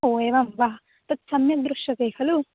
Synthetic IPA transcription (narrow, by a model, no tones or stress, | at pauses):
oːjɐʋamʋa | t̪ɐt̪sɐmjɐd̪ɾuʂɐkɐjhɐlu